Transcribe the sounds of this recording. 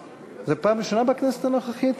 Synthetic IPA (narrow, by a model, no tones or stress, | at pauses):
zepaːmleʃonabeknɛset̪anoχaχit̪